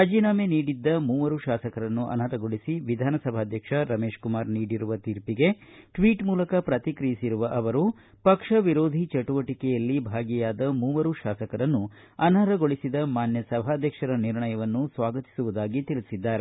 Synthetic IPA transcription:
ɐd͡ʒiːnaːmeniːɽid̪ːɐmuːʋɐɾuʃaːsɐkɐɾɐnːuʔɐ̰nɐɾɐɡo̞ɭisiʋid̪ʱaːnɐsɐbʱaːd̪ʱjɐkʂɐɾɐmeːʃkumaːɾniːɽiɾuʋɐt̪iɾpiɡe̞ʈʋiːʈmuːlɐkɐpɾɐt̪ikɾijisiɾuʋɐʔɐʋɐɾu | pɐkʂɐʋiɾoːd̪ʱit͡ʃɐʈuʋɐʈikɛjɐlːibʱaːɡijaːd̪ɐmuːʋɐɾuʃaːsɐkɐɾɐnːu | ɐnɐɾɐɡoɭisid̪ɐmaːnjɐsɐbʱaːd̪ʱjɐkʂɐɾɐniɾɳɐjɐʋɐnːusʋaːɡɐt̪i̥suʋud̪aːɡit̪ilisid̪ːaːɾe

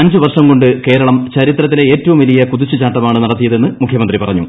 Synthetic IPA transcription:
ɐɲd͡ʑɨʋɐrʂɐmko̞ɳɖɨke̞ːɾɐɭɐmt͡ɕɐɾit̪rɐt̪̬ːileeːtːɐʋumʋɐlijɐkuðit͡ɕːɨt͡ɕaːʈːɐmaːɳɨnɐɽɐt̪ːijɐðe̞nːɨmukʰjɐmɐnd̪ripɐrɐɲːṵ

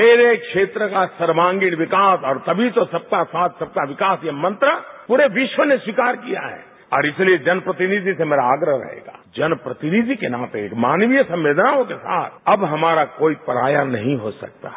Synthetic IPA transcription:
meːɾekʃeːt̪ɾəkasɐɾmãːŋɡiɽ̃ʋɪkaːsɔːɾt̪ɐbʱit̪osɐb̚kasaːt̪ʰsɐb̚kaʋɪkaːsjamɐ̃nt̪ɾəpuːɾeʋɪʃwəneswikaːɾkija̰ɦɛ̰ː | ɔ̰ːɾɪslied͡ʒɐnpɾɐt̪ɪnid̪ʱisemeːɾaaːɡɾəɦɾɐ̰ɦḛːɡa̰ːd͡ʒɐnpɾɐt̪ɪnid̪ʱikenaːt̪ekmaːnʋijəsɐ̃mʋeːd̪naõkesa̰ːt̪ʰɐbɦɐmaːɾakoːipəɾaːjanɐɦĩɦosɐ̰k̚t̪a̰

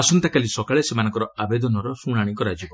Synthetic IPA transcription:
asunt̪akalisɔkaɭesemanɔŋkɔɾɔabed̪ɔnɔɾɔsuɽ̃aɽ̃ikɔɾad͡ʒibɔ

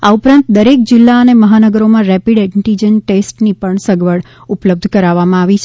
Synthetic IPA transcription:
aupɾãnt̪d̪əɾek̚d͡ʒɪlːaəneməɦanəɡəɾomãɾɛpiɖɛʈid͡ʒənʈesʈnipəɳsəɡʋəɽ | upləb̚d̪ʱkəɾaʋamãaʋit͡ʃʰe

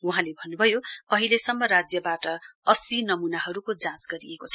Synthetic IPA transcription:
uɦãlebʱʌnːubʱʌjoʌɦilesʌmːʌɾad͡zjʌbaʈʌʌsinʌmunaɦʌɾukod͡zãsɡʌɾiekot͡sʰʌ

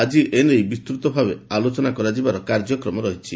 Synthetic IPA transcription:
ad͡ʒiʔenejbist̪ɾut̪ɔbʱabealot͡ʃɔnakɔɾad͡ʒibaɾɔkaɾd͡ʒɔkɾɔmɔɾɔɦit͡ʃʰi

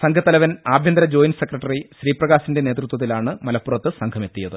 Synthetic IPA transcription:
sɐŋɡʰʱɐt̪ːɐlɐʋɐnaːbʱjɐnd̪ɾɐd͡ʑo̞ːjnsekrɐʈːɐriɕɾiːprɐɣaːsinde̞ne̞ːt̪rut̪wɐt̪̬ːilaːɳɨmɐlɐpːurɐt̪ːɨsɐŋkʰɐme̞t̪ːijɐðɨ̰

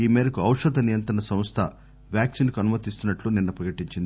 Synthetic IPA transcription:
iːmɛːɾɐkuɐwʂɐd̪ɐnijɐnt̪ɾɐɳɐsɐ̃m̃st̪ʰɐ | ʋjaːksinkuɐnumɐt̪ist̪unːɐʈluninːɐpɾɐkɐʈiɲt͡ʃind̪i

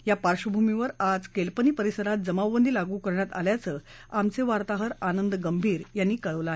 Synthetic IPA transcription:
japaɾɕəbʱumiʋəɾad͡zkelpəniːpəɾisəɾat̪̚d͡zəmaʋːənd̪ʱiːlaɡuːkəɾɳjat̪a̰ljat͡səːamt͡seʋaɾt̪aɦəɾanənd̪ɡəmbʱiːɾjanːiːkəɭəʋləae

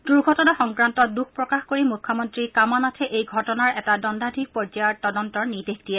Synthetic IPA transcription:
d̥uɹɡʱɔtɔnaxɔŋkɹantɔduxʰpɹɔkaxkoɹimukʰːɔmɔntɹikamɔnatʰɛʔejɡʱɔtɔnaɹɛtadɔndʱadʱik̚pɔzajaɹtɔdɔntɔɹnidektijɛ

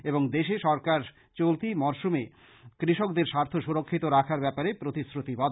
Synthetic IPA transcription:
eboŋd̪eʃeʃɔɾkaɾ | t͡ɕolt̪imɔɾʃume | kɾiʃokd̪eɾʃaɾt̪ʰoʃuɾokʰːit̪oɾakʰaɾbɛpaɾepɾot̪isɾut̪ibɔd̪

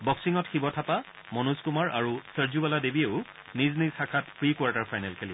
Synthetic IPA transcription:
bɔksiŋɔtxibɔtʰapa | mɔnuskumaɹʔaɹusəɹzubaladebieʊ | niznisakʰatpɹikwaɹtaɹpʰajnɛlkʰeli

